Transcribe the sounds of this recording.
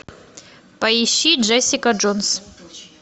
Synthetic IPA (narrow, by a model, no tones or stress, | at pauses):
pɐiɕːiʐɛsʲɪkɐʐons